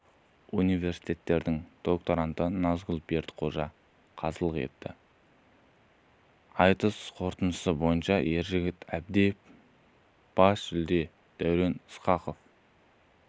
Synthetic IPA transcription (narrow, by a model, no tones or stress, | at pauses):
unijve̞ɾsi̥jt̪e̞t̪ːe̞ɾd̪ɪŋd̪̥o̞k̚t̪o̞ɾant̪ənɑzɡʊlˠbe̞ɾd̪qʰo̞ʒɑ | qʰɑzəlˠəqe̞̰t̪ːɪ | ɑjt̪əsqʰo̞ɾt̪ənəsəbo̞jənʃɑe̞ɾʒɪɡʲɪt̪æb̚d̪ef | b̥ɑsʒɪld̪e̞ | d̪̥æwɾe̞nɪsqɑqo̞f